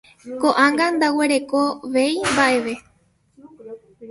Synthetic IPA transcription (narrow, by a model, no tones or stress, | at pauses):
koʔãŋɡand̪awe̞ɾe̞ko̞ʋe̞jmbaʔe̞ʋe̞